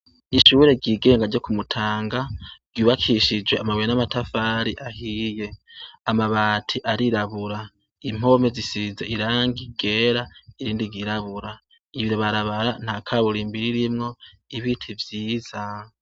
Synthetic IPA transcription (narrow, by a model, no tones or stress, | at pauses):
iʃuːɾe̞ɟiːɡe̞ːŋɡaɟo̞kumutʰaːŋɡaɡɟuːβakʰiʃid͡ʒweamaβwenamatafaːɾiʔahije̞amaβaːtʰiʔaɾiɾaβuɾa | im̥o̞me̞zisiːze̞iɾaːŋɡiɡe̞ːɾaiɾiːndiɡiɾaβuɾa | iβiɾoβaɾaβaɾan̥akʰaβuɾimbiɾiɾimŋo̞ | iβitʰivjiːza